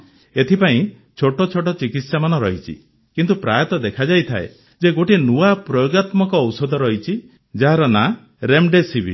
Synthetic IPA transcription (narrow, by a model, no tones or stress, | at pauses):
et̪ʰipaĩ | t͡ʃʰoʈɔt͡ʃʰoʈɔt͡ʃikit̪samanɔɾɔɦit͡ʃʰḭ | kint̪upɾajɔt̪ɔd̪ekʰad͡ʒajt̪ʰaḛ | d͡ʒeɡoʈinuapɾɔjoɡat̪mɔkɔːwsɔd̪ʱɔɾɔɦit͡ʃʰi | d͡ʒaɦaɾɔna | ɾemɖesibʱḭ